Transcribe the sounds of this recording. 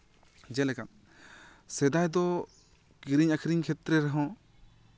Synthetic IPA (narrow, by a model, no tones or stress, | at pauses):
d͡ʒɛlɛkan | sɛd̪ajd̪ɔ | kiɾiɲakʰiɾiŋkʰɛt̪ɾɛɾaɦɔ̃